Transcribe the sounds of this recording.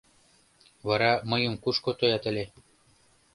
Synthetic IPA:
βɑɾɑmɤ̆jɤ̆mkuʃkot̪ojɑt̪ɘ̆lʲe

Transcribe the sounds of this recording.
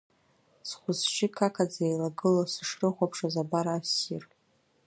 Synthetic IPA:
sχʷʊzʃikʰakʰad͡zaejlaɡɨlasɨʂrɨχʷapʰʂazabaɾaːsḭr

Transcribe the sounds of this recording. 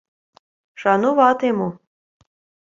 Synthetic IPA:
ʃɑnoβɑt̪emo

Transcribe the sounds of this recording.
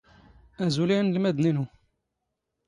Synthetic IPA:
æzulinlmæd̪ninu

